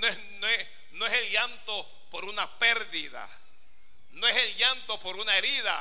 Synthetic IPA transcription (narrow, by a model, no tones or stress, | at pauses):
noe | noes | noeselʝant̪o̞ | po̞ɾunapeɾðiða̰ | noeselʝant̪o̞po̞ɾunae̞ɾiða̰